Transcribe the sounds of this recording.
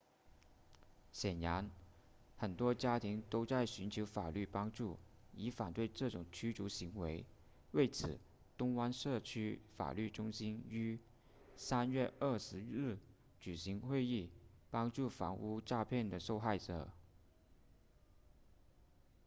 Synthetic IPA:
ɕjɛ˨˩nja˧˥nxə˨˩nt̪wɔ˥t͡ɕja˥t̪ʰi˧˥ŋt̪o˥ʊt͡sa˥˩ɪɕy˧˥nt͡ɕʰjo˧˥ʊfa̰˨˩ly˥˩pɑ˥ŋʈ͡ʂu˥˩i˧˥fa˨˩nt̪we˥˧ɪʈ͡ʂɤ˥˩ʈ͡ʂʊ˨˩ŋt͡ɕʰy˥ʈ͡ʂu˧˥ɕi˧˥ŋwe˧˥ɪ | we˥˩ɪt͡sʰɹ̩˨˩˦ | t̪ʊ˥ŋwa˥nʂɤ˥˩t͡ɕʰy˥fa̰˨˩ly˥˩ʈ͡ʂʊ˥ŋɕi˥ny˥ | sa˥nɥɛ˥˧ʔə˞˥˩ʂɻ̩˧˥ɻɻ̩˥˩ | t͡ɕy˨˩ɕi˧˥ŋxwe˥˧ɪi˥˩pɑ˥ŋʈ͡ʂu˥˩fɑ̰˧˥ŋu˥˧ʈ͡ʂa˥˧pʰjɛ˥˩nd̪ə˩ʂo˥˧ʊxa˥˩ɪʈ͡ʂɤ̰˨˩˦

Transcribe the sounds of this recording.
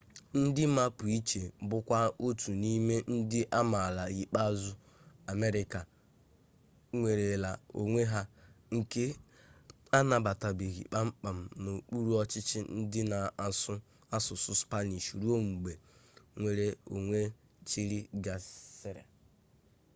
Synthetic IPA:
n̩˦dɪ˦ma˦pʊ˨i˦t͡ʃe˨˦bʊ˦kʷa˦o˦tʰu˨ni˦me˦n̩˦dɪ˦ʔa˦ma˨la˨ɣi˨k͡pa˦zʊ˦ | a˨me˦ɾɪ˦ka˨ | ŋʷe˨ɾe˨la˨o̰˨ŋʷe˦ɦa˦ŋ̩˨ke˦ | a˦na˨ba˨ta˨bi˨ɣḭ˨k͡pa˦ŋ͡m̩˦k͡pa˨m̩˨no˨k͡pu˦ɾu˦ɔ˦t͡ʃɪ˦t͡ʃɪ˦n̩˦dɪ˦na˨sʊ˦ | a˦sʊ˨sʊ˦spa˦ni˨ʃu˨ɾu˦o˦m̩˨ɡ͡be˨ŋʷe˨ɾe˦o˨ŋʷe˦ | t͡ʃi˦ɾi˦ɡa˨sɪ˦ɾa̰˨

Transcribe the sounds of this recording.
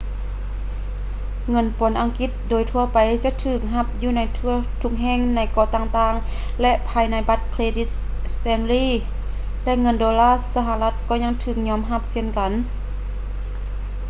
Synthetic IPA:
ŋɤ˧˥˨npo˨˦nʔa˨˧ŋki˧t̪̚doː˨˦jt̪ʰu˧ɐpa˨jt͡ɕa˧˥ʔt̪ʰɯː˧˩k̚ɦa˧˥p̚juː˧˨na˧˥jt̪ʰu˧˩t̪ʰu˧˥k̚ɦɛː˧˩˨ŋna˧˥jkɔː˧˩t̪aː˧ŋt̪aː˧˩ŋ | lɛ˧ʔpʰaː˧jna˧˥jba˧˥t̪̚kʰleː˧di˧˥ | st̪ɛː˧˩nliː˧˥˨ | lɛ˧ʔŋɤ˧˥˨ndɔː˧laː˧˥˨sa˧ɦa˧la˧t̪̚kɔː˧˩ɲa˧˥˧ŋt̪ʰɯː˧˩k̚ɲɔː˧˥˨mɦa˧˥p̚se˧˨nka˨n

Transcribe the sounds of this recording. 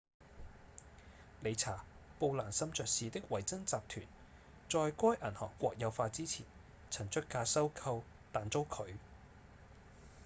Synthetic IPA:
le˨˧jt͡sʰaː˨˩ | po˧wlaː˨˩nsɐ˥mt͡ʃœː˨˧k̚siː˨t̪ɪ˥k̚wɐ˨˩jt͡sɐ˥ŋt͡saː˨p̚t̪ʰy̰ː˨˩n | t͡sɔː˨˧jkʷɔː˥jʔɐ˨˩nhɔ̰ː˨˩kːʷɔː˧k̚jɐ˨˧wfaː˧t͡siː˥t͡sʰiː˨˩n | t͡sʰɐ˨˩ŋt͡ʃʰɵ˥t̚kːaː˧sɐ˥wkʰɐ˧w | t̪aː˨nt͡so˥wkʰɵ˨˧ɥ

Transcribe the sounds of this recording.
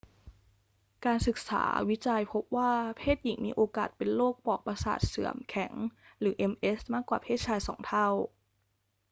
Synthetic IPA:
kaː˧nsɯ˨˩k̚sa̰ː˩˦wi˦˥t͡ɕa˧jpʰo˦˥p̚waː˥˩pʰeː˥˩t̪̚ji˨˩˦ŋmiː˧ʔoː˧kaː˨˩t̪̚pe˧nloː˥˩k̚pɔː˨˩k̚pa˧sa̰ː˨˩t̪̚sɯ̰˩˦əmkʰɛ˩˦ŋɾɯː˩˦ʔe˧mʔe˦˥smaː˥˩kːwaː˨˩pʰeː˥˩t̪̚t͡ɕʰaː˧jsɔ̰ː˩˦ŋt̪ʰa˥˩w

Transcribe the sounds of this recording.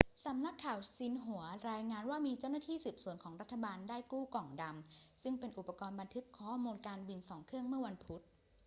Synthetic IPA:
sa˩˦mna˦˥kʰːaː˨˩wsi˧nɦu˩˦ɐɾaː˧jŋaː˧nwaː˥˩miː˧t͡ɕa˥˩wnaː˥t̪ʰiː˥˩sɯː˨˩p̚su˨˩˦ənkʰɔː˩˦ŋɾa˦˥t̪ʰːa˧baː˧ndaː˥˩jkuː˥˩kɔː˨˩ŋda˧msɯ˥˩ŋpe˧nʔu˨˩pːa˧kɔː˧nba˧nt̪ʰɯ˦˥kʰːɔː˩˥˩muː˧nkaː˧nwi˧nsɔː˩˦ŋkʰɯ˥˩əŋmɯ˥˩ɐwa˧npʰu˦˥t̪̚

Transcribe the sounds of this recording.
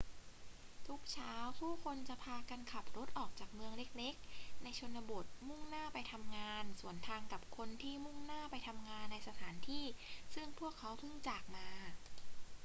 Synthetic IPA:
t̪ʰu˦˥k̚t͡ɕʰaː˦˥wpʰuː˥˩kʰo˧nt͡ɕa˨˩ʔpʰaː˧ka˧nkʰa˨˩p̚ɾo˦˥t̪̚ʔɔː˨˩k̚t͡ɕaː˨˩k̚mɯ˧əŋle˦˥k̚le˦˥k̚na˧jt͡ɕʰo˧nːa˧bo˨˩t̪̚mu˥˩ŋnaː˥˩pa˧jt̪ʰa˧mŋaː˧nsu˨˩˦ənt̪ʰaː˧ŋka˨˩p̚kʰo˧nt̪ʰiː˥˩mu˥˩ŋnaː˥˩pa˧jt̪ʰa˧mŋaː˧nːa˧jsa˧t̪ʰaː˩˦nt̪ʰiː˥˩sɯ˥˩ŋpʰu˥˩əkʰːa˦˥wpʰɯ˥˩ŋt͡ɕaː˨˩k̚maː˧

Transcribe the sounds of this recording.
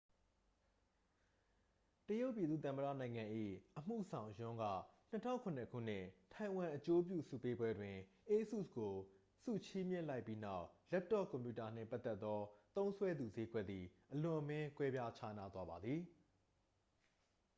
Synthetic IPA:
təjo˦ʊʔpːji˨d̪ðṵ˦˨t̪ã˨mədä̰˦˨nã˨ɪ̃ŋã˨ʔḭ˦˨ʔəm̥ṵ˦˨zã˨ʊ̃jʊ̃˦ŋɡa̰˦˨n̥ə˦tʰã̰˦ʊ̃kʰʊ̃˨nə˨kʰṵ˦˨n̥ɪ̰̃˦˨tʰã˨ɪ̃wã˨ʔət͡ɕo˦p̬jṵ˦˨sṵ˦˨pe˦bwɛ˦dwɪ̃˨ | ʔe˦sṵ˦˨sɡo˨ | sṵ˦˨t͡ɕʰi˦mjɪ̰̃˦˨la˦ɪpːi˦na˦˨ʊʔlɛ˦p̚tɔ˦˨kɔ̃˨mpju˨ta˨n̥ɪ̰̃˦˨mpa˦t̪ːɛ˦t̪ːɔ˦t̪õ˦ʊ̃sʰwɛ˦d̪u˨ze˦ɡwɛ˦ʔ̪d̪ði˨ʔəlʊ̃˨ʔəmɪ̃˦kwɛ˦bja˦t͡ɕʰa̰˦na˦t̪wa˦ba˨d̪ði˨

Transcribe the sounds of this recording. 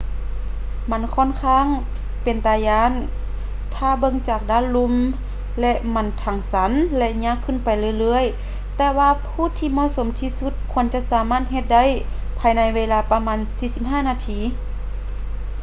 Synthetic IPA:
ma˧˥˨nkʰɔː˧˥˨nkʰaː˧˥˨ŋ | pe˨nt̪aː˨˧˩jaː˧˥˨n | t̪ʰaː˧˩bɤ˧ŋt͡ɕaː˨˩k̚daː˧˥˨nlu˧˥m | lɛ˧ʔma˧˥˨nt̪ʰa˨˩ŋsa˨˦nlɛ˧ʔɲaː˧˥˨kʰːɯ˧˨npa˨jlɯː˧˨jlɤː˧˨əj | t̪ɛː˧waː˧pʰuː˧˨t̪ʰiː˧mɔ˧˨so˨˦mt̪ʰiː˧su˧˦t̪̚kʰu˧˨ənt͡ɕa˧˦saː˨˦maː˧˥˨t̪̚he˧t̪̚da˧˥˨j | pʰaː˧jna˧jweː˧laː˧pa˧maː˧˥˨nsiː˧˦si˧p̚ɦaː˧˥˩naː˧t̪ʰiː˧˩

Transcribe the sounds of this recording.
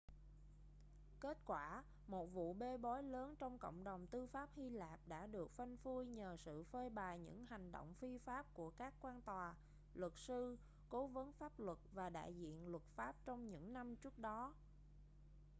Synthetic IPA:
ke˦˥t̚kwaː˧˩ | mo˨˩t̚vṵ˧˨ɓe˧ɓɔ˨˦jləː˨˦nt͡ɕɔ˧wŋ͡mko̰˧˨wŋ͡mɗə˨˩wŋ͡mt̪ɨ˧faː˦˥p̚hi˧laː˨˩p̚ɗa̰ː˧˥ɗɨ˨˩ək̚fa˧nfu˧jɲəː˨˩sɨ̰˧˨fəː˧jɓaː˨˩jɲɨ̰˧˥ŋha˨˩jŋ̟ɗo̰˧˨wŋ͡mfi˧faː˦˥p̚ku˧˩əkaː˦˥kːwaː˧nt̪waː˨˩ | lwə˨˩t̚sɨ˧ | ko˨˦və˨˦nfaː˦˥p̚lwə˨˩t̚vaː˨˩ɗa̰ː˧˨jzḭ˧˨ənlwə˨˩t̚faː˦˥p̚t͡ɕɔ˧wŋ͡mɲɨ̰˧˥ŋna˧mt͡ɕɨ˦˥ək̚ɗɔ˨˦

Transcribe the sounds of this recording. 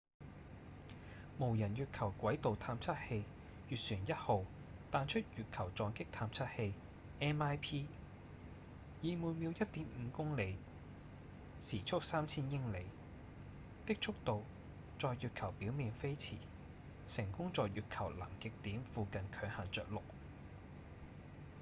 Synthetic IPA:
mo˨˩wjɐ˨˩njyː˨t̚kʰɐ˨˩wkʷɐ˨˥jt̪o˨wt̪ʰaː˧mt͡sʰɐ˥t̚he˧j | jyː˨t̚syː˨˩njɐ˥t̚ho˨w | t̪aː˨˧nt͡ʃʰɵ˥t̚jyː˨t̚kʰɐ˨˩wt͡sɔː˨˧ŋkɪ˥k̚t̪ʰaː˧mt͡sʰɐ˥t̚he˧j | ʔɛː˥naː˥jpʰiː˥ | jiː˨˧muː˨˧jmi˨˧wjɐ˥t̚t̪iː˨˥mm̩ː˨˧kʊ˥ŋle˨˧j | siː˨˩t͡ʃʰʊ˥k̚saː˥mt͡sʰiː˥njɪ˥ŋle˨˧j | t̪ɪ˥k̚t͡sʰʊ˥k̚t̪o˨w | t͡sɔː˨jːyː˨t̚kʰɐ˨˩wpiː˨˥wmiː˨nfe˥jt͡sʰḭː˨˩ | sɪ˨˩ŋkʊ˥ŋt͡sɔː˨jjyː˨t̚kʰɐ˨˩wlɐ˨˩ŋkɪ˨k̚t̪iː˨˥mfuː˨˧kɐ˨nkʰœː˨˧˥ŋha˨nt͡sœː˨k̚lʊ˨k̚

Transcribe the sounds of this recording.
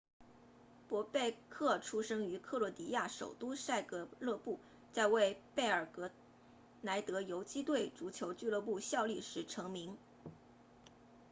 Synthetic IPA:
pwɔ˧˥pe˥˧ɪkʰɤ˥˩ʈ͡ʂʰu˥ʂɤ˥ŋy˧˥kʰɤ˥˩lwɔ˧˥t̪i˧˥ja˥˩ʂo̰˨˩ʊt̪u˥sa˥˧ɪkɤ˧˥lɤ˥˧pu˥˩ | t͡sa˥˧ɪwe˥˧ɪpe˥˩ɪə˞˨˩kɤ˧˥ | na˧˥ɪt̪ɤ˧˥jo˧˥ʊt͡ɕi˥t̪we˥˩ɪʈ͡ʂu˧˥t͡ɕʰjo˧˥ʊt͡ɕy˥˧lɤ˥˧pu˥˧ɕjɑ˥˧ʊli˥˩ʂɻ̩˧˥ʈ͡ʂʰɤ˧˥ŋmi˧˥ŋ

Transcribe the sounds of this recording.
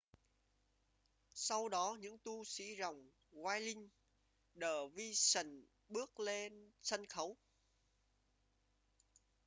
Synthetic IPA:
sa˧wɗɔ˨˦ɲɨ̰˧˥ŋt̪u˧sḭ˧˥za˨˩wŋ͡m | ɣwaː˧jlï˧ŋ̟ | ɗəː˧˩vi˧sə˧˩n | ɓɨ˦˥ək̚le˧nsə˧nxə˨˦w

